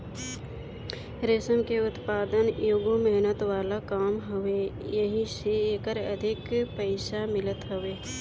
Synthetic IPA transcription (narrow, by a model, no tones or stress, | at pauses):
ɾɪsəmkeʊt̪paːd̪ənjoːɡomɛɦnət̪ʋaːlakaːmɦʊʋejəɦĩseeːkəɾəd̪ʱɪkpəɪʃamɪlət̪ɦʊʋeː